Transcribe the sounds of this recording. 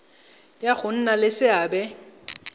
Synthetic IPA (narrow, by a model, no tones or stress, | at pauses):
ljak͡xʊn̩nalɪsɪaːbɛ